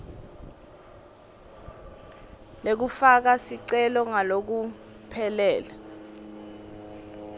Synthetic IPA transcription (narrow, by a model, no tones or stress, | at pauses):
lek̬ufak̬asiǀɛlɔŋalok̬u | pʰɛlɛːla